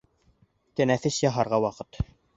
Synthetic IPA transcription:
t̪ɘ̆næθɘsjɑɦɑɾʁɑwɑqɤt̪

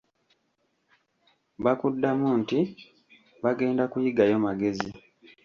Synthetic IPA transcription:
βakudːamunti | βaɡe̞ːndakujiɡajo̞maɡe̞zi

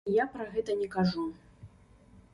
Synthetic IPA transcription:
japɾɐɣɛt̪ɐnʲɛkaʐu

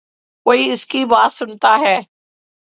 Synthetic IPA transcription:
koːiɪskibaːt̪sʊnt̪aɦɛː

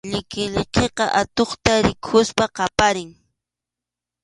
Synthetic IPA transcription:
ʎɪkɪʎeqeqɑʔat̪oχt̪aɾɪkʰʊspaqɑpaɾɪŋ

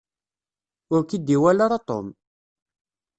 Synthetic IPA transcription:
ʊɾkid̪ːiwælaɾat̪ˤo̰m

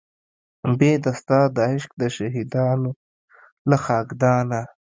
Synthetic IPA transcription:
bed̪ast̪ɑːd̪ɑːɪʃk̚d̪əʃaɦid̪ɑːno | laxɑːɡd̪ɑːna

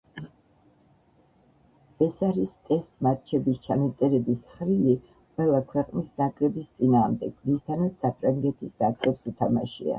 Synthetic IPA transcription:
ɛsaɾist̪ʼɛst̪ʼmat̪̚t͡ʃʰɛbist͡ʃʰanat̪sʼɛɾɛbist̪sʰχɾili | qʼwɛlˠakʰwɛqʼnisnakʼɾɛbist̪sʼinaːʁmd̪ɛɡ̥ɾist̪ʰanat̪sapʰɾaŋɡɛt̪ʰisd̪asʰʼɛpsut̪ʰamaʃḭa̰

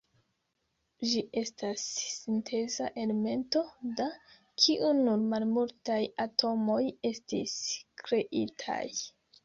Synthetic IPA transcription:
d͡ʒiʔe̞stasːintʰe̞zaʔe̞leme̞nto̞da | kʰiʔunuɾmalmultajatʰo̞mo̞je̞stḭskɾe̞ʔitʰa̰j

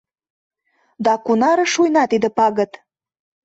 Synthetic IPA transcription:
d̪ɑkunɑɾɤ̆ʃujnɑt̪id̪ə̆pɑɣə̆t̪

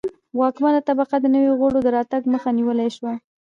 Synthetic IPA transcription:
wɑkmanlat̪abaqad̪ənəweɣoɽod̪əɾɑt̪aɡməxaniwəlajʃwa

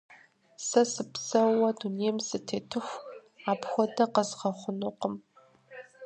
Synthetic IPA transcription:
sɐsɨpsɐwɐduneːjmsɨtʰeːtʰɨxʷ | aːpxʷɔdɐqəzʁɐχʷʊnuqəm

